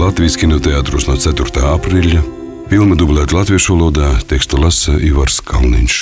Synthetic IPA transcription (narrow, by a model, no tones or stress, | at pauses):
lˠat̪vʲijskʲinɔt̪eaːt̪ɾusnuɔt̪sæt̪uɾt̪aːapɾilʲa | filˠmad̪ublˠæːt̪lˠat̪vʲiɛʃvalˠuɔd̪aːt̪ɛkst̪ulˠasaʔivaɾskʰalˠnḭnʲʃ